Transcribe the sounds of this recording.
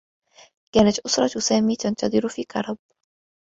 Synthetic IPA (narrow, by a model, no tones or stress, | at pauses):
kaːnat̪ʔʊsɾˤɑt̪saːmiːt̪ant̪ɑðˤɨɾfiːkɑ̰ɾˤɑb̚